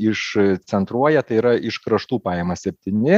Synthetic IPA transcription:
ɪʃsʲɛnt̪ɾuɔjɛt̪ɐɪiːɾɐʔɪʃkɾɐʃt̪uːpɑːjɛmɐsʲɛpʲt̪ʲiːnʲɪ

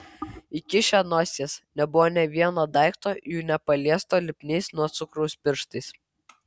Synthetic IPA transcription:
ɪkʲɪʃʲɛnoːsʲeːsnʲɛbʊʋoːnʲɛʋʲiɛnoːd̪ɑɪkt̪oːjuːnʲɛpɐlʲiɛst̪oːlʲɪpʲnʲɛɪsnuɔt̪sʊkɾɐʊspʲɪɾʃt̪ɐɪs

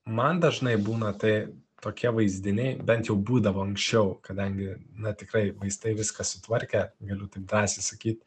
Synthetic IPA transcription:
mɐnd̪ɐʒnɐɪbuːnɐt̪ɐɪ | t̪oːkʲiɛʋɐɪzʲd̪ʲɪnʲɛɪbʲɛnt̪jɛʊbuːd̪ɐʋoːɐŋksʲt͡ʃʲɛʊkɐd̪ɐŋʲɡʲɪnɐt̪ʲɪkɾɐɪʋɐɪst̪ɐɪʋʲɪskɐsʊt̪ʋɐɾʲkʲɛɡɐlʲʊt̪ɐɪp̚d̪ɾɑːsʲɪsɐkʲiːt̪̚

